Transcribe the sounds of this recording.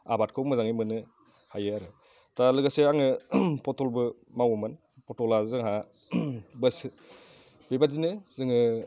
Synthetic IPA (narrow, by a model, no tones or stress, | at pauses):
a̰bat̚kʰɯwmɯzaŋimɯnɯ | hajɯaɾɯ | talɯɡaseaŋɯpʰɔtɔlbɯ | mawmɯn | pʰɔtɔlazɯŋɦa | bɯs | bebadinɯz̥ɯŋɯ